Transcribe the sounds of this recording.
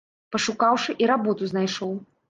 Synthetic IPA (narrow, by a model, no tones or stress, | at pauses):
pɐʂukawʂɨʔiɾabɔt̪uznajʂɔw